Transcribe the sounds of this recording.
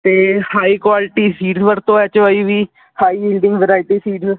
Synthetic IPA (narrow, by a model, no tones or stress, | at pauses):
t̪eːhaːiːkwaːlʈiːsiːʈzʋəɾt̪õːɛt͡ʃəʋaːiːʋiː | haːiːbiːlɖɪ̃ŋɡʋəɾaːɪʈiːsiːʈz